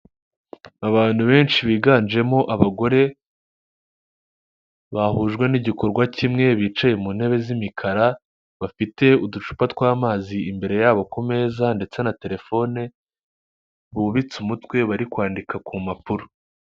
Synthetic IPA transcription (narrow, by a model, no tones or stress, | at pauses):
aβaːn̥huβe̞ːnt͡ʃiβiːɡand͡ʒe̞mo̞ʔaβaɡo̞ɾe̞ | βahuːʒɡwe̞niɟiko̞ɾɡwacimŋe̞βiːt͡ʃaje̞munhe̞βe̞zimikʰaɾa | βafite̞udut͡ʃu̥patwaːmaːziimbe̞ɾe̞jaːβo̞kume̞ːzande̞t͡se̞nate̞ɾe̞fo̞ne | βuβit͡sumutwe̞βaɾikwaːndikakumapuɾo̥